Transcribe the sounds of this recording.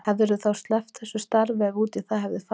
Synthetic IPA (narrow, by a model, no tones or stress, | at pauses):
hɛvɛɾʏθawst̪lɛft̪θɛsʏst̪aɾvɪvuːt̪iθaɦɛvðɪf